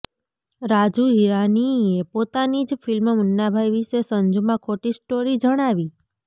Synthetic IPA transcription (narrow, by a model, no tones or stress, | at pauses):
ɾad͡ʒuɦiɾaniepot̪anid͡ʒfilmmənːabʱajʋiʃesənd͡ʒumãkʰoʈisʈoɾid͡ʒəɽ̃aʋi